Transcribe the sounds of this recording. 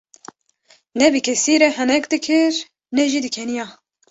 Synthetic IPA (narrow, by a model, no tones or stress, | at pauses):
nɛbɨkʲʰɛsiːɾɛhɛnɛkd̪ɨkʰɨɾ | nɛʒiːd̪ɨkʰɛnijɑː